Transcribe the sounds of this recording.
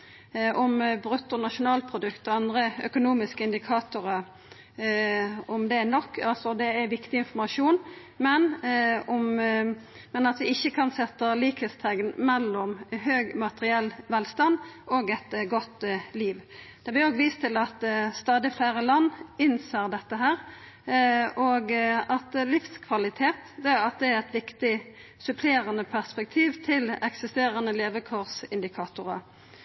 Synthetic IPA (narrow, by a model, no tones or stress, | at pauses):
ʔɔmbɾʉt̪ːʊnɑʃʊnɑːlpʰɾʊd̪ʉkt̪əɔɑnd̪ɾəœkʊnuːmɪskəɪnd̪ɪkʰɑːt̪ʊɾə | ɔmd̪ɛnɔkːɑlsɔd̪ɛæɾʋɪkt̪ɪɪnfɔɾmɑʂuːn | mɛnɔm | mɛnɑt̪ʋɪɪçːəkʰɑnsɛt̪ːəliːkhəlst̪ʰɛŋɡnmɛlːɔmɦøːɡmɑt̪əɾɪɛlːʋɛlst̪ɑnd̪oːɡɛt̪ɡɔt̪liːʋd̪̥ɛblɪoːɡʋiːst̪ʰːɪlɑt̪st̪ɑːd̪ɪflæɪɾəlɑnːɪnseːʁd̪ɛt̪ːəɦæːɾ | oːɡɑt̪lɪfskʰʋɑlɪt̪ʰeːt̪d̪ɛɑt̪̚d̪ɛæɛt̪ʋɪkt̪ɪ | sʉpʰleːɾənəpʰæʁspɛk̚t̪ʰiːʋt̪ʰɪlɛksɪst̪eːɾənəleːʋəkʰɔʁsɪnd̪ɪkʰɑːt̪ʊɾə